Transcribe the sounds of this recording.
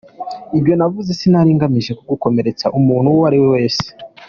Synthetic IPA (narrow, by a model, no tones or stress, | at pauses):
ibjo̞navuzesinaɾiŋɡamiʒe̞koɡuko̞me̞ɾe̞t͡saʔumuːn̥uwaɾiwewe̞ːse̥